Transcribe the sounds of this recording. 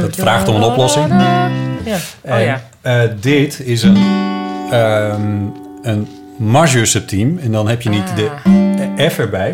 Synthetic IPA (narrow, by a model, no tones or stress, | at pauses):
dɔtfraːxtomənɔplɔsɪŋ | ɛn | ədɪtɪsən | ən | maʒøsəp̚tʰimɛndɔnhɛpjənitdə | ɛfəɹbɛj